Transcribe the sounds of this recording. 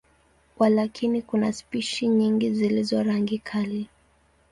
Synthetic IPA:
walakʰinikunaspiʃiɲiŋɡizilizɔɾaŋɡikʰali

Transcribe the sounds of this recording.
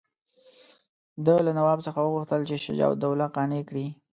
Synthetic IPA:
d̪əlanawɑbsəxawəɣuxt̪əlt͡ʃeʃɪ̰d͡ʒɑ̰wd̪awlaqɑnekɽi

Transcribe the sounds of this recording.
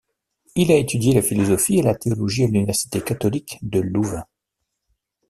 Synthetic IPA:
ilaet̪ʰyd̪jelafilɔzɔfielat̪eɔlɔʒialynivɛʁsi̥t̪ekat̪ɔlikd̪əluva

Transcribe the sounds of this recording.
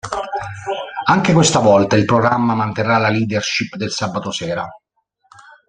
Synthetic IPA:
aŋk̟ekwest̪avɔlt̪ailpɾoɡɾamːamant̪erːalaliːd̪erʃipd̪elsabːat̪osɛːɾa

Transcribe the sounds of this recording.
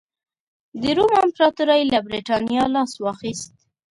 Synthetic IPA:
d̪əɾumampɾɑt̪uɾajlabɾeʈɑnjɑlɑswɑxist̪̚

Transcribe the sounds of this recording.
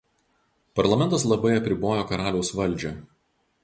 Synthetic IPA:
pɐɾlˠɐmʲɛnt̪ɐslˠɐbɐɪɐpʲɾʲɪboːjoːkɐɾɑːlʲɛʊsʋɐlʲˑd͡ʒʲɛ

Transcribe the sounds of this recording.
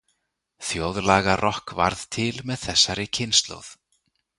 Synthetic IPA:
θjowðlaːɣarɔhkva̰ɾð̥t̪ʰɪlmɛðθɛsːaɾɪcʰɪnst̪lo̰wð

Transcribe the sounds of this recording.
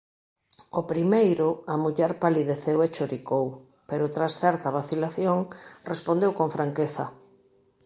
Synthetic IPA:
opɾimejɾʊamuʎɛɾpaliðeθewet͡ʃoɾikow | peɾʊt̪ɾasθɛɾt̪ɐβaθilaθjoŋrespond̪ewkoɱfɾaŋkeθɐ

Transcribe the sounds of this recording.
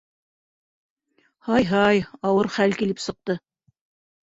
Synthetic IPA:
hɑjɦɑjɑwɤɾχælkilɘpsɤ̆q̚t̪ɤ

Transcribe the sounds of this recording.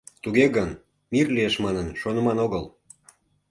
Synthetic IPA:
t̪uɣeɣən | mirlieʃmɑnənʃonə̆mɑnoɣəl

